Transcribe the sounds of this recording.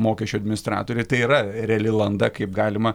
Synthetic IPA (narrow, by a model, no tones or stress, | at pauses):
moːkʲɛʃʲt͡ʃʲʊɐdʲmʲɪnʲɪst̪ɾɑ̰ːt̪oːɾʲɛɪt̪ɐɪiːɾɐɾʲɛɐlʲɪlˠɐnd̪ɐkɐɪp̚ɡɑːlʲɪmɐ